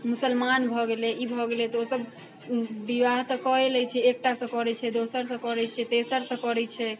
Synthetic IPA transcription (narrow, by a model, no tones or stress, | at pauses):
musəlmanbʱɔɡeleibʱɔɡelet̪ɔosəbː | iʋaɦt̪ɔkɔelɛt͡ʃʰɛek̚ʈasə̃kɔɾɛt͡ʃʰɛd̪osəɾsə̃kɔɾɛt͡ʃʰɛt̪esəɾsə̃kɔɾɛt͡ʃʰɛ